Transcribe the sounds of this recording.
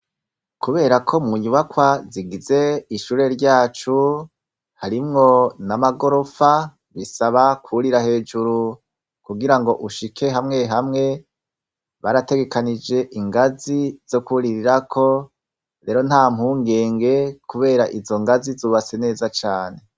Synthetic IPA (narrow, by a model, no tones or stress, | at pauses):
kuβe̞ːɾakʰo̞muɲuβakwaziɡize̞iʃuːɾe̞ɾɟaːt͡ʃu | haɾimŋo̞namaɡo̞ɾo̞fa | βisaβakʰuɾiɾahe̞ːd͡ʒuɾu | kuɡiɾaŋɡo̞ʔuʃikʰe̞ɦamŋe̞ɦamŋe̞ | βaɾate̞ɡe̞kanid͡ʒe̞ʔiŋɡaziz̥o̞kuɾiɾiɾakʰo̞ | ɾe̞ːɾo̞nhaːm̥huːŋɡe̞ːŋɡe̞kuβe̞ːɾaʔizo̞ŋɡazizuːβat͡se̞ne̞ːzat͡ʃaːne̞